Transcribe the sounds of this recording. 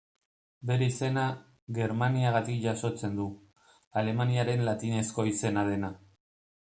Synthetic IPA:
be̞ɾeise̞na | ɣe̞ɾmaniaɣat̪ikʝaso̞t͡se̞nd̪u | ale̞maniaɾe̞nlat̪ine̞sko̞ise̞nað̞e̞na

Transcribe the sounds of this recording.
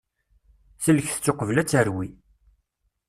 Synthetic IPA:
θələçθə̥t͡sːoqəvlæt͡sːəɾwi

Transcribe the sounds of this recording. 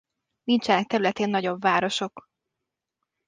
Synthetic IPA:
nint͡ʃɛnɛk̚t̪ɛɾylɛt̪eːnːɒɟo̞bvaːɾo̞ʃo̞k

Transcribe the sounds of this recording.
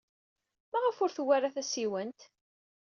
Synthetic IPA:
mæʁəfʊɾθwːarːaθæsiwənt̪

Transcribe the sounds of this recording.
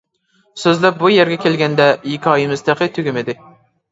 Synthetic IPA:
søzlɛp̚bujɛɾɡʲɛkʲelɡʲɛnd̪ɛjikʲʰɑjɪmɨzt̪ʰɨqɨt̪ʰyɡʲymɪd̪ɪ

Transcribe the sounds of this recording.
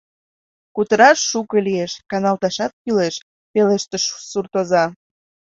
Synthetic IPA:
kut̪əɾɑʃːukəlieʃkɑnɑlt̪ɑʃɑt̪̚kyleʃ | peleʃt̪əʃsurt̪ozɑ

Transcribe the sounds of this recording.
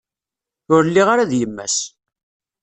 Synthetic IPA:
ʊɾlːiʁaɾaðjəmːæ̰s

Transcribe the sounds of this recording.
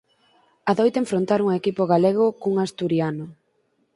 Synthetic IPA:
aðojt̪eɱfɾont̪aɾuŋekipoɣaleɣ̞okuŋast̪uɾjanʊ

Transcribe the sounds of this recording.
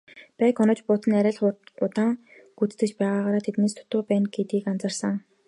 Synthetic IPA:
pæːkɔnɞ̆t͡ɕpʊt̪ə̆næɾʲæːɮχʊɢʊt̪aːŋ | ɡut͡st̪ɘ̆t͡ɕpæːʁaːʁaːɾaːt̪ʰet̪neːst̪ʰʊ̥t̪ʊːpæːnɡet̪ɡiːkant͡sə̆rsə̆ŋ

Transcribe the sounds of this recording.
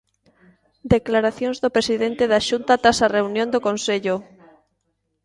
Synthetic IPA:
d̪eklaɾaθjõŋzðopɾesiðent̪eðaʃunt̪at̪ɾasareunjõnd̪okonseʎʊ

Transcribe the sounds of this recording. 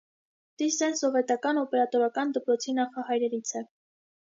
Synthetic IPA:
t̪isɛnsɔvɛt̪ɑkɑnɔpɛɾɑt̪ɔɾɑkɑnd̪əpɾɔt͡sʰinɑχɑhɑjɾɛɾit͡sʰɛ

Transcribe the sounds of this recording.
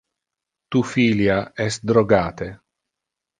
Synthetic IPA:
t̪ufiljaɛst̪̚d̪ɾoɡaːt̪e

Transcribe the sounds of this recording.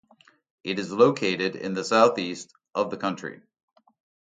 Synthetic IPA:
ʔɨɾɨzloʊkʰeɪɾɪɾɪ̰̃nðɨsaʊθist | ʔʌvðɨkʰʌ̃nt͡ʃɹ̥ḭ

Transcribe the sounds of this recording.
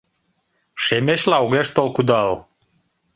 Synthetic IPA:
ʃemeʃlɑoɣeʃt̪olkud̪ɑl

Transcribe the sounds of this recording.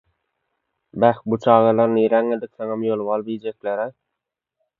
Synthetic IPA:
bæxbut͡ʃʰɑːʁɑlˠɑɾniɾæŋed̪ikθeŋɑmjolˠβɑlˠbijd͡ʒekleɾaj

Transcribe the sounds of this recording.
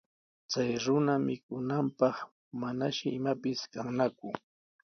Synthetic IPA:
t͡sajɾʊnamɪkʊnampɑχ | manaʃɪɪmapɪskaŋnakʊ

